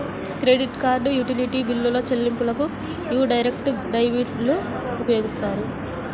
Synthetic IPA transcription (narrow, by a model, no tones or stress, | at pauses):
kɾe̞ːɖiʈkaːɾɖujuʈiliʈibilːulo̞ːt͡ʃelːimpulɐku | juːɖɐjɾekʈɖɐjʋiɖlu | upɐjoːɡist̪aːɾu